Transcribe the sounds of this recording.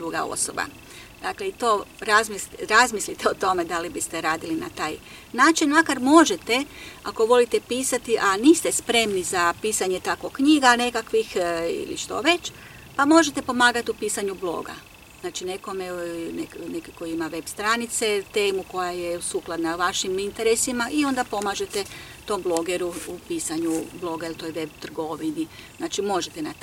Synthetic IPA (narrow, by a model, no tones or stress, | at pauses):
d̪ɾuɡa̰o̰so̰ba̰ | d̪akleit̪o̞ɾazmisɾazmislit̪eot̪o̞me̞d̪alibist̪e̞ɾaːd̪ilina̰t̪aːj | naːt͡ʃinmakaɾmo̞ʒet̪eako̞ʋo̞lit̪epiːsat̪iʔaniːst̪espɾe̞mnizapiːsaɲe̞t̪ako̞kɲiɡane̞kakʋixḭlḭʃt̪o̞̰ʋe̞t͡ʃ | pamo̞ʒet̪e̞po̞maːɡat̪iupiːsaɲublˠo̞̰ːɡa̰ | znaːt͡ʃine̞ko̞meneknekiko̞jiimaʋe̞bst̪ɾanit̪se̞t̪e̞ːmuko̞jajeusuklˠad̪naʋaʃimint̪eɾesimaʔio̞nd̪apo̞maːʒe̞t̪et̪o̞mblˠo̞ɡeɾuupiːsaɲublˠo̞ɡailt̪o̞jʋe̞bt̪r̩ɡo̞ʋiniznaːt͡ʃimo̞ʒet̪ena